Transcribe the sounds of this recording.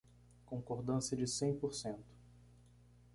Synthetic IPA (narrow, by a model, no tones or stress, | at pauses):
kõŋkoɾd̪ɐ̃sjɐd͡ʒɪsẽj̃poɾsẽnt̪ʊ̥